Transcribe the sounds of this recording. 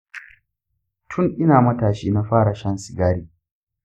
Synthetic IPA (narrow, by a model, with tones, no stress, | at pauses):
tʰʊ˦nʔɪ˦naː˨mɐ˦taː˨ʃiː˦na˦ɸaː˦ɽa˨ʃɐ˦nsɪ˨ɡaː˦ɽiː˦